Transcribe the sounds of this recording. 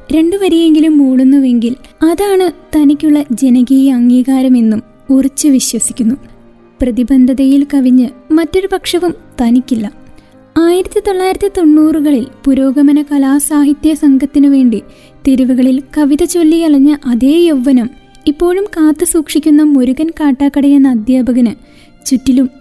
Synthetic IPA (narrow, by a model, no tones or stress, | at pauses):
ɾe̞ɳɖɨʋɐɾije̞ŋɡilumːuːɭunːuʋe̞ŋɡilɐðaːɳɨt̪ɐnikʲːuɭːɐd͡ʑe̞nɐɣiːjɐːŋːiːɣaːɾɐme̞nːum | urit͡ɕːɨʋiɕwɐsikʲːunːu | prɐðibɐnd̪ʱɐðɐjilkɐʋiɲːɨmɐtːo̞ɾupɐkʂɐʋumt̪ɐnikʲːilːɐ | aːjiɾɐt̪ːit̪o̞ɭːaːjiɾɐt̪ːit̪o̞ɳːuːrɨɣɐɭilpuɾo̞ːɡɐmɐnɐkɐlaːsaːɦit̪jɐsɐŋɡɐt̪ːinuʋe̞ːɳɖi | t̪e̞ɾuʋuɣɐɭilkɐʋiðɐt͡ɕo̞lːijɐɭɐɲːɐʔɐðeːjoʋːɐnɐm | ipːo̞ːɻumkaːt̪ːɨsuːkʂikʲːunːɐmo̞ɾuɣɐnkaːʈːaːkːɐɽɐjenːɐɐd̪jaːbʱɐɣɐnɨ | t͡ɕutːilum